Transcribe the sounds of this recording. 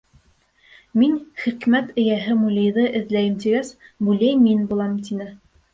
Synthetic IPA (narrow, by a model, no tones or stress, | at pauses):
minχikmæt̪ɘ̆jæɦɘmulʲɤ̆jðɤʔɘ̆ðlæjɘmt̪iɡæsbʉlæjminbulˠɑmt̪inɘ